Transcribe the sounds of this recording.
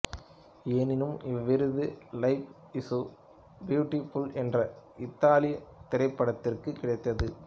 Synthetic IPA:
eːnɪnɯmɪʋːɪɾɯðɯlɐɪp | ɪsu | bjuːʈːɪfʊlɛndrɐɪt̪ːaːlɪjɐt̪ɪɾɐɪpːɐɽɐt̪ːɪrkɯkːɪɽɐɪt̪ːɐðɯ

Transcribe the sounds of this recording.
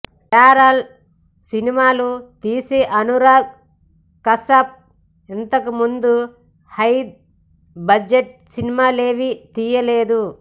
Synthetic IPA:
kaːɾɐl | sinimaːlut̪iːseʔɐnuɾaːɡ | kɐsɐp̚ | int̪ɐkumund̪u | hɐjd̪̚ | bɐd͡ʒeʈ̚sinimaːleːʋit̪iːjɐleːd̪u

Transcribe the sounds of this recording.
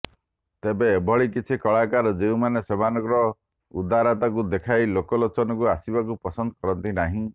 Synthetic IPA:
t̪ebeːbʱɔɭikit͡ʃʰikɔɭakaɾɔd͡ʒeumanesebanɔkɾɔ | ud̪aɾat̪ak̬ud̪ekʰajlokɔlɔt͡ʃɔnɔkuasibakupɔsɔnd̪ɔ̥kɔɾɔnt̪inaɦĩ

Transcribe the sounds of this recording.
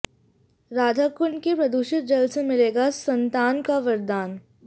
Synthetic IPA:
ɾaːd̪ʱakʊɳkepɾɐd̪uːʃɪt̪̚d͡ʒɐlsemɪleːɡasɐ̃nt̪aːnkaʋɐɾd̪aːn

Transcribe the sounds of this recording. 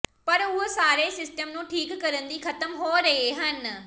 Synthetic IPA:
pɐɾʊɦosaːɾesɪsʈəmnũːʈʰiːkːɐɾə̃nd̪ixɐt̪əmɦoːɾɐɦeɦɐn

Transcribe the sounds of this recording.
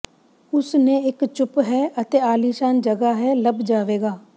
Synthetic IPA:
ʊsneɪkt͡ʃʊpɦɛːət̪eːaːliːʃaːnd͡ʒəɡaːɦɛːləbd͡ʒaːʋeːɡaː

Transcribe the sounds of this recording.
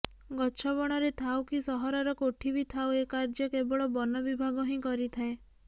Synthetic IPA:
ɡɔt͡ʃʰɔbɔɽ̃ɔɾet̪ʰawkisɔɦɔɾɔɾɔkoʈʰibit̪ʰawekaɾd͡ʒɔkebɔɭɔbɔnɔbibʱaɡɔɦĩkɔɾit̪ʰae

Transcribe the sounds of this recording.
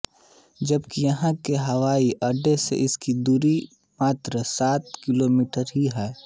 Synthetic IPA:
d͡ʒɐbkijɐɦãkeɦɐwaːiʔɐɖesḛʔɪskid̪uːɾi | maːt̪ɾəsaːt̪kɪloːmiːʈəɾɦiɦɛː

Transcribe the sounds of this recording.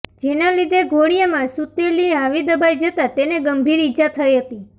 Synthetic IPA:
d͡ʒenalid̪ʱeɡʱoɽ̃ijəmãsut̪eliɦaʋid̪əbajd͡ʒət̪at̪eneɡəmbʱiɾid͡ʒat̪ʰəiɦət̪i

